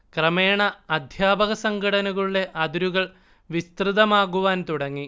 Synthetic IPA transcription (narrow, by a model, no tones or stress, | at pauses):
krɐme̞ːɳɐɐd̪ʱjaːbɐɣɐsɐŋɡʱɐɽɐnɐɣɐɭuɽe̞ʔɐd̪uɾuɣɐɭ | ʋist̪rɨðɐmaːɣuʋaːnt̪uɽɐŋːi